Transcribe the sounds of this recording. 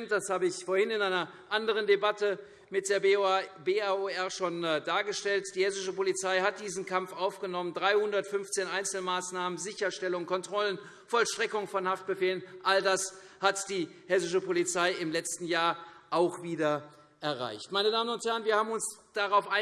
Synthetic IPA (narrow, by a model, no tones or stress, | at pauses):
ntd̥ashaːbəɪçfoːɐhɪnɪnaɪnɐ | ʔandəʁ̞əndebatə | mɪt̚d̥eːɐbeaoɛɐʃoːndaːɐɡəʃtɛltd̥iːhɛsɪʃəpolit͡saɪɦat̚d̥iːzn̩kʰamfʔaʊfɡ̥ənɔməndʁaɪhʊndɐtfʏnft͡seːnʔaɪnt͡sl̩maːsnaːmənzɪçɐʃtɛlʊŋkɔntʁ̥ɔlən | fɔlʃtʁ̥ɛkʊŋfɔnhaft̚b̥əfeːlənʔaldas | hatd̥iː | hɛs̬ɪʃəpolit͡saɪɪmlɛt͡stn̩jaːɐʔaʊxv̥iːdɐ | ʔɛɐʁa̰ɪçtmaɪnədaːmənʊnthɛɐʁənviːɐhaːbm̩ʊnsd̥aʁaʊfʔaɪ